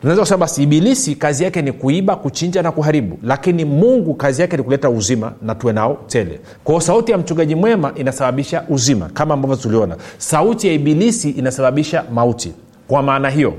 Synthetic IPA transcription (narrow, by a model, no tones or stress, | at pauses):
tunaɛzakusɛmaɓasiiɓilisikazijakɛnikuiɓakut͡ʃiɲd͡ʒanakuɦaɾiɓṵlakinimuŋɡukazijakɛnikulɛtauzima̰natuwɛnaɔtɛlɛ̰ | kwahɔsautijam̩t͡ʃuŋɡaʄimwɛmaʔinasaɓaɓiʃaʔuzima̰kamaːmbavɔtuliɔna̰sautijaiɓilisiʔinasaɓaɓiʃamautḭ | kwamaːnaɦijɔ